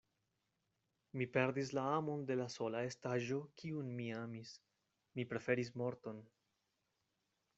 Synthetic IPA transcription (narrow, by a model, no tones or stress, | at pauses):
mipe̞ɾdis̬laamo̞nde̞laso̞lae̞staʒo̞kiunmiamis | mipɾe̞fe̞ɾis̬mo̞ɾto̞n